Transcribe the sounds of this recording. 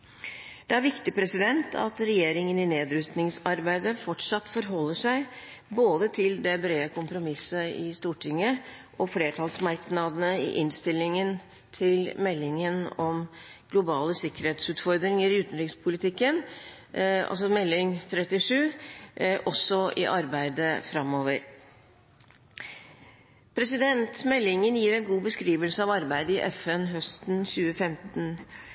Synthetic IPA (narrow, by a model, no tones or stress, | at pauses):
d̪̥ɛæɾʋɪkt̪ɪpʰɾɛsɪd̪ɛnt̪ʰɑ̰t̪ɾɛjeːɾɪŋənɪneːd̪ɾʉst̪nɪŋsɑɾbæɪd̪əfɔʈʂɑt̪ːfɔɾɦɔlːəʂæɪ | boːd̪ət̪ʰɪld̪ɛbɾeːəkʰʊmpɾʊmɪsəɪst̪uːʈʰɪŋːəʔɔfleːt̪ʰɑːlsmɑɾknɑd̪ənəɪ̰ʔɪnst̪ɪlːɪŋən | t̪ʰɪlmɛlːɪŋənɔm | ɡ̥lʊbɑːləsɪkəɾeːt̪sʉːt̪fɔɾd̪ɾɪŋəɾɪʉːt̪n̩ɾɪkspʰʊlɪt̪ʰɪkːən | ɑ̰lsɔmɛlːɪŋt̪ʰɾɛt̪ɪʂʉː | ʔɔsɔʔɪ̰ʔɑɾbæɪd̪əfɾɑmːoːʋəɾ | pʰɾɛsɪd̪ɛnt̪mɛlːɪŋənjiːɾɛnɡuːbəskɾiːʋəlsəɑʋɑɾbæɪd̪əɪʔɛfɛnɦœst̪n̩çʉːəfɛmt̪n̩